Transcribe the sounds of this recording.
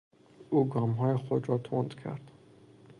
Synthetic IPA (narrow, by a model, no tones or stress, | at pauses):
uːɡɒːmɦɒːjexod̪ɾɒt̪ʰond̪kʰæ̰ɾd̪̥